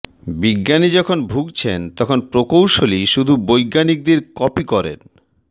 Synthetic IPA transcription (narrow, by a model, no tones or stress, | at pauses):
biɡːanid͡ʑɔkʰonbʱuɡt͡ɕʰent̪ɔkʰonpɾokowʃoliʃud̪ʱubojɡanik̚d̪iɾkɔpikɔɾḛn